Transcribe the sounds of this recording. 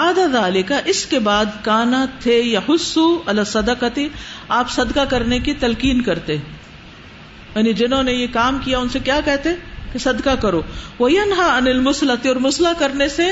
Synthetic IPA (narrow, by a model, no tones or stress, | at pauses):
aːd̪aðaːlɪkaʔɪskebaːd̪kaːnat̪ʰejɐħʊsːuɐlasːɐd̪qɐt̪iaːpsɐd̪kakɐɾnekit̪ɐlkiːnkɐɾt̪eɦɛ̃ | jaːnid͡ʒɪnɦõnejekaːmkijaʊnsekjaːkɛɦt̪eɛ̃kesɐd̪kakɐɾoːʋɐjɐnɦaɐnɪlmʊslɐt̪iɔːɾmʊslakɐɾnese